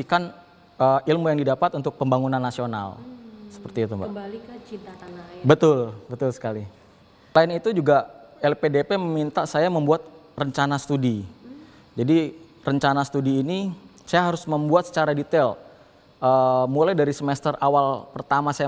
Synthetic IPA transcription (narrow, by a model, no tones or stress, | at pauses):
ikan | əːilmujaŋdidapat̪unt̪ʊk̚pəmbaŋunanːasiona̰lsə̥pərt̪iːt̪u | it̪aabət̪ʊlbət̪ʊlsə̥kali | laɪnit̪ud͡ʒuɡaɛlpedepeməmint̪asajaməmbuat̪̚ | rəɲt͡ʃanasə̥t̪udi | d͡ʒadi | rəɲt͡ʃanasət̪udiːnisajaɦaɾʊsməmbuat̪̚sə̥t͡ʃaɾadit̪ɛl | əmulajdaɾisəmɛst̪ərʔawalpərt̪amasaja